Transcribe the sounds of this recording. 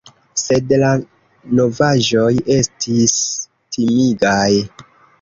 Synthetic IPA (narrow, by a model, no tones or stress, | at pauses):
se̞dla | no̞vaʒo̞je̞stʰis | tʰimiɡaj